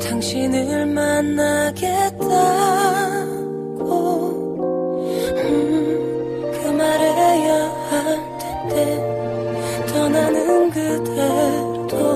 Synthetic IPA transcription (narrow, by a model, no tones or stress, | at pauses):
t̪aŋɕʰinɯɭmanːaɡeta | ɡo | ɯ | kʰɯmaɾejʌha | tʰet̪e | t͡ɕʌnanɯnkɯt̪ʰe | d̪̥o